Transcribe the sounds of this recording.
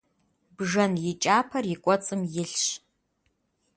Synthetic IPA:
bʐɐnjɪt͡ʃʼaːpʰɐrjikʷʼɔt͡sʼɨmjɪɬɕ

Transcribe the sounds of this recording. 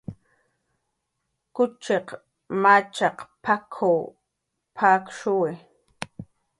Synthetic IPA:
kʊt͡ʃeq | mat͡ʃɑqpʰakʰow | pʰaːkʃʊwɪ

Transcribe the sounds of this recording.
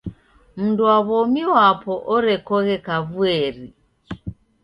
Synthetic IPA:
m̩nduaβɔmiwapɔʔɔɾɛkɔɣɛkaβuɛɾi

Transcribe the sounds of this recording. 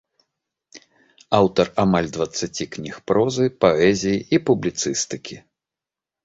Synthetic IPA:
awt̪ɐramalʲd̪vɐt̪sːat͡sʲiknʲixpɾɔzɨpaɛzʲijiipublʲit̪sɨst̪ɨkʲi

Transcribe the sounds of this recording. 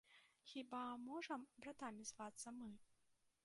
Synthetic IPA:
xʲibamɔʐɐmbɾat̪amʲizvat̪sːɐmɨ

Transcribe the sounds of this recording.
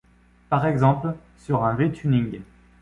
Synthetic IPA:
paʁɛɡzɑ̃pl | syʁɛ̃vet̪ʰynĩŋɡ

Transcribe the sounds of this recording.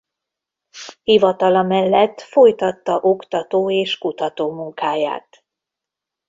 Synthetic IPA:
hivɒt̪ɒlɒmɛlːɛt̪ːfo̞jt̪ɒt̪ːɒʔo̞kt̪ɒt̪oːeːʃkut̪ɒt̪oːmuŋkaːja̰ːt̪

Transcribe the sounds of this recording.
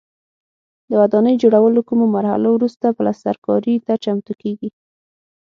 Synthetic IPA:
d̪əwad̪ɑnəjd͡ʒoɽawəlokumomaɾha̰lowɾust̪apəlasa̰ɾkɑ̰ɾit̪at͡ʃamt̪ukeɡi

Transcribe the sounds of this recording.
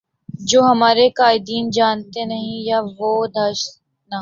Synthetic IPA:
d͡ʒoːɦɐmaːɾekaːɪd̪iːnd͡ʒaːnt̪enɐɦĩjaːʋoːd̪ʱɐːʃ | na

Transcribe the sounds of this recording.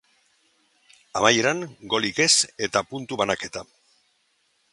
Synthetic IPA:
amajeɾaŋɡo̞like̞se̞t̪apunt̪uβanake̞t̪a

